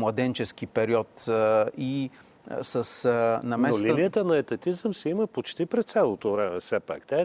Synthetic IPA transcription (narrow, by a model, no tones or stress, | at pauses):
mlˠɐd̪ɛnt͡ʃɛskipɛɾiɔt̪i | səsnɐmɛlinijət̪ənɐɛt̪ɐt̪izəmsɛiməpot͡ʃt̪ipɾɛst̪sɛlˠot̪ovɾɛmɛfsɛpa̰kt̪aɛ